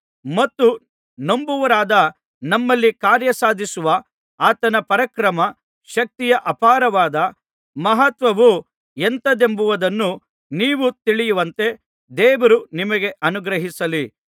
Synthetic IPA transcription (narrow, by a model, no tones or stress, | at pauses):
mɐt̪ːu | nombuʋɐɾaːd̪ɐ | nɐmːɐlːikaːɾjɐsaːd̪ʱisuʋɐ | aːt̪ɐnɐpɐɾɐkɾɐmɐ | ʃɐk̚t̪ijɐʔɐpaːɾɐʋaːd̪ɐ | mɐɦɐt̪ʋɐʋu | ent̪ɐd̪e̞mbuʋɐd̪ɐnːu | niːʋut̪iɭijuʋɐnt̪e̞ | d̪ɛːʋɐɾunimɐɡe̞ʔɐnuɡɾɐɦisɐli